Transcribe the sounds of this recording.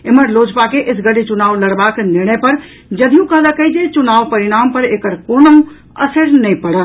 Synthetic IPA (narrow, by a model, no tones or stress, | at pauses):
eməɾlod͡ʒpakeʔɪsɡəɽit͡ʃunaːʋləɽbaknɪɾɳ̃əjpəɾ | d͡ʒəd̪ʱijũkəɦlakəjd͡ʒet͡ʃunaːʋpəɾiɽ̃ampəɾekəɾkonəũ | əsəɾnəipəɽəl